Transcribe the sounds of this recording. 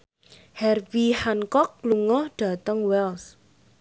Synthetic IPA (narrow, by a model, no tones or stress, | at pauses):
hɛrvihankɔk̚luŋɔhɖ̥ä̤t̪əŋwɛls